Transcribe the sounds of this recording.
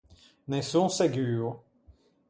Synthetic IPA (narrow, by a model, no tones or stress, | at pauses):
nɛsõsaɡʲyːʁ